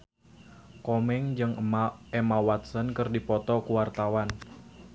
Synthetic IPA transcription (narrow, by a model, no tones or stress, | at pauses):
kɔmɛŋd͡ʒɨŋɛmawat̪̚sənkɨrdipɔt̪ɔkuwart̪awan